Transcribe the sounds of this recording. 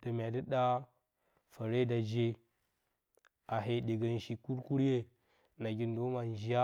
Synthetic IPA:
d̥a˨mʲ˨a˨di˦ɗa˦ | fa˨ɾe˦da˨d͡ʒe˦ | a˨ɦe˨ɗe˨ɡa˨n˨ʃi˨ku˦ɾku˦ɾje˦ | na˨ɡʲi˨n˦do˦ma˨n˨d͡ʒi˨˦a˦

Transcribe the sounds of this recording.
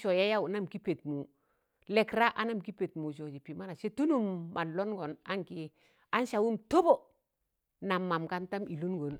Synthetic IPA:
ʃo˨ja˦ja˦u˨na˦mki˦pe˨tmu˨ | lɛ˨kɾa˦ʔa˦na˦˨mki˦pe˨tmu˨ʃ̬o˨d͡ʒi˨pi˨ma˦na˨se˦tu˦nu˦˨mːa˨lo˦nɡo˨na˦ŋki˦ | a˦n˦ʃa˨wu˦mto˦bo˨ | na˨mːa˨mka˦nta˦mi˨lu˦nɡo˨n

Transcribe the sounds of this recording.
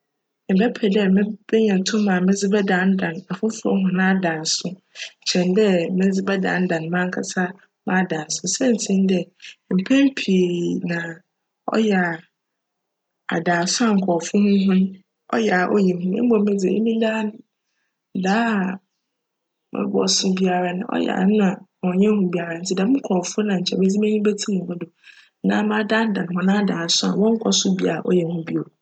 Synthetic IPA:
ɪ˨bɛ˦pʰɛ˨dɛ˦mɪ̃˦bɛ˦ɲã˨tʰʊ̃˦mã˨mɪ̃˦d͡zɪ˦bɛ˦dã˨˦n̩˦dã˨na˨fʊ˦fʊ˦ɔ̰˦ɦʊ̃˦nã˦a˦dã˨n˨sʊ˦˨ | t͡ɕʰɛ̃˨ndɛ˦mɪ̃˦d͡zɪ˦bɛ˦dã̰˨n̩˦dã˨n˨mã˦ŋ̩˦kʰa˨sa˦ | mã˦˨dã˨n˨sʊ˦sɛ̃˦n˨tʰĩ˦n˦dɛ˨m̩˨pʰɛ̃˦m˦pʰi˨nã˨ | ɔ̰˦jɛ˨a˨ | a̰˨daː˨sʊ˦a˦ŋ̩˨kʰɔ˨fʊ˦hʊ̃˦ɦʊ̃˦n˦ | ɔ̰˦jɛ˨a˨ʔɔ̰˦jɛ˨hũ˦mɪ̰̃˦bɔ˨m˦mɪ̃˦d͡zɛ˨e˦mĩ˦da˦n˦˨ | daː˦ | mɪ̰˦bɔ̰˨sʊ˦bi˦a˨ɾa˨nã̰˨ʔɔ̰˦jɛ̰˨a̰˨˦nʊ̃˦a˨ɔ̃˨ɲɛ̃˦hũ˦bi˨a˨ɾa˨n̩˨˦tʰɪ˦da˨˦m˦ŋ̩˦kʰɔ˨fʊ˦nã˨ɲ̩˨t͡ɕʰɛ˨me˦d͡zi˦m˦ɛ˦ɲĩ˦be˦tʰi˦ĩ˨hʊ̃˦dʊ˨˦ | nã̰ː˦mã˦da˦n˦dã˨ñ˨ɦɔ̃˦nã˦a˨daː˨sʊ˦a̰˨wɔ̃˦ŋ̩˦kʷʰɔ˦sʊ˦bi˦a˨ʔɔ˦jɛ˨hũ˦bi˦o˨

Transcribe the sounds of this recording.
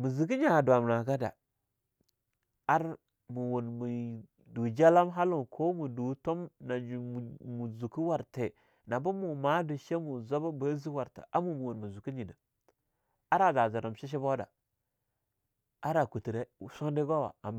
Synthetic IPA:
mu˨zi˨ki˦ɲa˨du˨a˨m˨na˨ɡa˦da̰˨ | a˦ɾ | mu˨wu˨nmu˨ | du˨d͡ʒa˦la˦mɦa˦lu˦˨nkʰo˦mu˨du˨˦to˦mna˨d͡ʒu˨mu˨zu˨ku˦wa˨ɾte˨ | na˨bu˦mu˨ma˦du˨ʃe˦mu˨zo˦ba˦bə˦zi˦wa˨ɾta̰˨ʔa˦mu˨mu˨wo˨nmu˨zu˨ki˦ɲi˨na˨ | a˦ɾa˨za˨za˨ɾa˨m˨ʃi˦ʃ̬i˦bo˦da̰˨ | a˦ɾa˨ku˨ti˨ɾe˦˨so˦ndi˦ɡo˦wa̰˨a˨m

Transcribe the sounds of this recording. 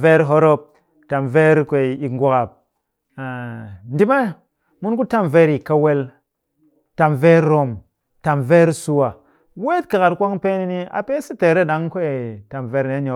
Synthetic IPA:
ve˦ɾɦo˦ɾo˧p̚ | ta˨mve˦ɾkʷe˨i˨ŋɡʷo˨ka˨p̚ | n̩˦di˦ma˦ | mu˦nku˦ta˦mve˧ɾi˨ka˧we˧l | ta˨mve˦ɾɾo˨m | ta˨mve˦ɾsu˧wa˨ | we˦tka˨ka˧tkʷa˦ŋpe˦ni˧ni˧a̰˨pe˦si˦te˨ɾe˦˨ɗa˨˦ŋkʷe˦˨ta˨mve˧ɾni˨˦ɲo˨˦

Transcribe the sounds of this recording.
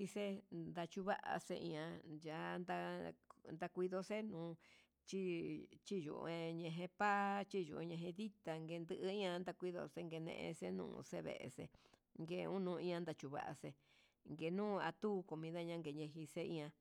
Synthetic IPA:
i˧se˦nd̪a˧t͡ʃu˧βa˦ʔa̰˧sḛ˧ʔḭ̃˧ã˧ja˨˧˦nd̪a˧nd̪a˧kʷi˧ðo˧se˦nũː˨˦ | t͡ʃi˦t͡ʃi˦jṵ˨ʔẽ˧ɲẽ˧ɦẽ˧pa˦t͡ʃi˦jṵ˧˨ũ˧ɲẽ˧ɦẽ˧ði˦t̪a˧ŋɡe˧nd̪ɨ˧ʔɨ˧˦ĩ˦ã˧nd̪a˧kʷi˦ðo̰˧se˦ŋɡe˧nḛ̃˧ʔḛ̃˧se˦nṵ̃˧˨˧se˦βḛ˧˨ʔe˧sḛ˧ | ŋɡe˧ũ˦nũ˧ĩ˧ã˧nd̪a˧t͡ʃu˧βa̰˧˨ʔa̰˧se˧ | ŋɡe˧nũː˦˧a˧t̪uː˦˧ko˨mĩ˧ða˦ɲã˦ŋɡe˧ɲẽ˧ɦi˧se˦ĩ˧ã˧

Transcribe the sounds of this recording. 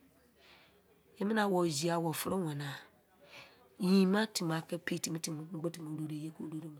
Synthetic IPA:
je˦mi˦nã˨˦wɔ˨zi˨a˨wɔ˨fo˦ɾo˦wã˨na˨ | jĩ˨mã˦ti˨m˨a˨˦kɛ˦pe˦˨ti˨mĩ˦ti˨m˨˦ŋ͡m̩˦ɡ͡bo˦ti˨mu˨˦ɾo˦ɾe˦je˦ko˨ɾo˦ɾo˦mĩ˨

